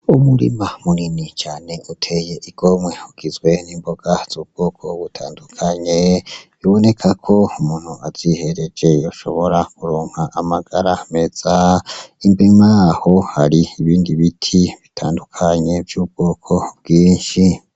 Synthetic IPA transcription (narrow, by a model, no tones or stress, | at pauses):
umuɾḭmamuninit͡ʃaːne̞ʔutʰe̞je̞ʔiɡ̥o̞mŋe̞huɡ̥izwe̞niːmbo̞ɡ̥az̥uːb̚ɡ̥o̞ːkʰo̞βutʰa̰ːndukʰaɲe̞βiβo̞ne̞kʰakʰo̞umuːn̥huaz̥ihe̞ɾe̞d͡ʒe̞jo̞ʃo̞̰βo̞ɾakuɾoːŋ̥haʔamaɡ̥aɾame̞z̥aimbeŋaːho̞haɾiiβiːndiβitʰiβitʰaːndukʰaɲe̞vjuːbɡ̥o̞ːkʰo̞b̚ɡiːɲʃi